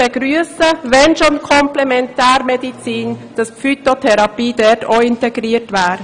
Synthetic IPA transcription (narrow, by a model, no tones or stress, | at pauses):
ɛɡ̥ɾyəsəʋɛnʃonkʰɔmplɛmɛntæːɾmɛdit͡siːnd̥ɑsfyt̪otʰɛɾɑpiːdɛɾtʰoɪntɛɡɾiətʋæːɾ